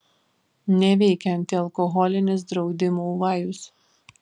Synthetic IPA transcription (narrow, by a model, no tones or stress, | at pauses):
nʲɛʋʲɛɪkʲɛnʲt̪ʲiɐlˠkɔɣɔlʲɪnʲɪs̬d̪ɾɒʊd̪ʲɪmoːʋɑːjʊs